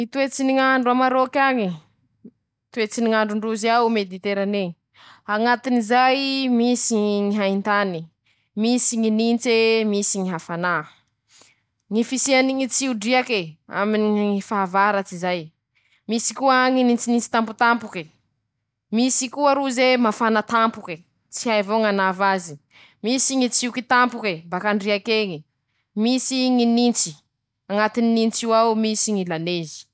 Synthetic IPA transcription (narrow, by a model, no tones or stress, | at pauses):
it̪uet͡siniŋaɳɖ͡ʐuamaɾokʲaŋi | t̪uet͡siniŋaɳɖ͡ʐuɳɖ͡ʐuzaumed̪it̪eɾane | aŋat̪inizajmisiŋiɦaint̪ani | misiŋinint͡semisiŋiɦafana | ŋifisianiŋit͡siuɖ͡ʐiakea̰miniifaɦavaɾat͡sizaj | misikuaŋinint͡sinint͡si̥t̪amput̪ampuke | misikuaɾuzemafanat̪ampuke | t͡siajvoŋanavazi | misiŋit͡siukit̪ampukebakaɳɖ͡ʐiakeŋi | misiŋinint͡si̥ | aŋat̪ininint͡siwawmisiŋilanezi̥